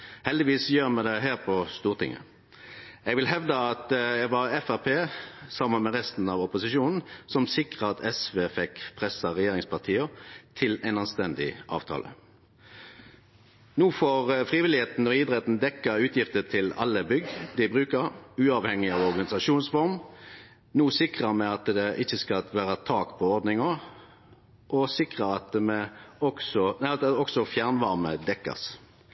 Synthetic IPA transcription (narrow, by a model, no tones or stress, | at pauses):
hɛld̪ɪʋiːsjøːʁmɛd̪ɛɦæːʁpʰɔst̪uːʁt̪ʰɪ̰ŋːə̰ | ɛɡʋɪlɦɛʋd̪əɑt̪jæɡʋɑʁɛfæʁpʰeːsɑmənmɛʁɛst̪n̩ɑʋɔpʊsɪʃuːnn̩sɔmsɪkʁəɑt̪ɛsʋeːfɛkpʰʁɛsɑʁɛjeːʁɪŋspʰɑʁt̪ʰiːət̪ʰɪlæɪnɑnst̪ɛnd̪ɪʔɑ̰ːʋt̪ʰɑ̰ːlə̰ | nuːfoːʁfʁiːʋɪlɪheːt̪n̩ɔɪd̪ʁɛːt̪n̩d̪ɛkːəʉːt̪ʰjɪft̪ət̪ʰɪlɑ̰lːəbʏɡd̪ɪbʁʉːkəʁʉːɑʋhɛŋːɪɑʋɔʁɡɑnɪsɑʃuːnsfɔʁm | nuːsɪkʁəmɛɑt̪d̪ɛʔɪçːəskɑʋæːʁət̪ʰɑːkpʰɔɔʁd̪nɪŋɔ | ʔɔsɪkʁəɑt̪əmɛɔksɔæɔksɔfjæʁnʋɑʁməd̪ɛkːə̰s